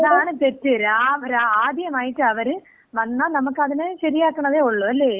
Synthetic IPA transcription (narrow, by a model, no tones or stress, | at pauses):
ɐðaːɳɨpetːɐɾaɐʋɐɾaaːd̪ʱjɐmaːjiʈːɨɐʋɐɾɨ | ʋɐnːaːnɐmɐkːɐðinɨɕɐɾijaːkːɐɳɐðeːuɭːuɐlːeː